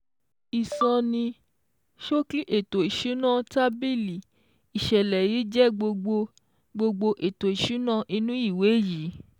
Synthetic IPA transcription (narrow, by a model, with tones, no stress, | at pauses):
i˨sɔ̃˧nĩ˧ | ʃo˦ki˦ʔe˦˨to˨i˨ʃu˨˦nã˦˨ta˦bi˦li˨ | i˨ʃɛ˨lɛ˨ji˨˦d͡ʒɛ˦ɡ͡bo˧ɡ͡bo˧ | ɡ͡bo˧ɡ͡bo˧ʔe˨to˨i˨ʃu˨˦nã˦ʔi˧nũ˦i˦˨we˨˦˨ji˨˦